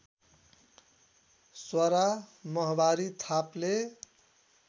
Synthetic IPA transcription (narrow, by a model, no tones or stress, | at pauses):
swaɾamʌɦbaɾit̪ʰaple